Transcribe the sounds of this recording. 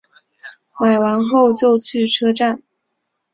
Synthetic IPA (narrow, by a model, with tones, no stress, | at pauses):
ma˨˩ɪwa˧˥nxo˥˧ʊt͡ɕjo˥˧ʊt͡ɕʰy˥˩ʈ͡ʂʰɤ˥ʈ͡ʂa˥˩n